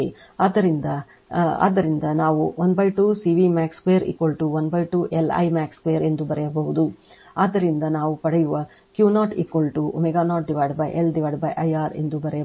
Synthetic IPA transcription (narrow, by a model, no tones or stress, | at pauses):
e | aːd̪ːɐɾind̪ɐ | a̰ːd̪ːɐɾind̪ɐnaːʋuɐnd̪bɐjʈuːsiʋimaːkskʋejɐɾḭːkʋolʈuʋɐnbɐjʈuːʔelɐ̰jmaːkskʋejɐɾe̞nd̪ubɐɾɛjɐbɐɦud̪u | aːd̪ɐɾind̪ɐnaːʋupɐɽɛjuʋɐ | kjuːnaːʈḭːkʋɐlʈuʔomɛɡaːnaːʈ̚ɖiʋajɖbɐjʔelɖiʋaːɖbɐjʔɐjaːɾe̞̰nd̪ubɐɾɛjɐ